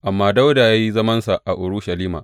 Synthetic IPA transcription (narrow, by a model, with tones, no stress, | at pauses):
ʔa˨mːaː˦da˦wda˨jaː˦ji˦zɐ˦mɐ˦nsa˨ʔa˨ʔʊ˨ɽuː˦ʃa˨liː˦ma̰ː˨